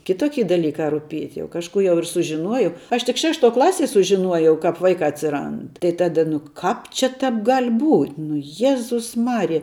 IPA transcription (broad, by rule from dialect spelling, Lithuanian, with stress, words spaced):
kʲɪˈtoːkʲɪ dɐˈlʲiːkɐ rʊˈpʲiɛtʲ jɛʊ kɐʃˈkuː jɛʊ ɪr sʊʒʲɪˈnuɔjɛʊ ˈɐʃ tʲɪk ˈʃʲæːʃˌtuɔ ˈklˠɑːsʲiɛ sʊʒʲɪˈnuɔjɛʊ ˈkɐp ˈʋɐɪkɑː ɐtʲsʲɪˈrɐnt tɐɪ ˈtɑːdɐ nʊ ˈkɑːp t͡ʃʲɛ ˈtɐp ɡɐlʲ buːtʲ nʊ ˈjæːzʊs ˈmɑːrʲɪjɛ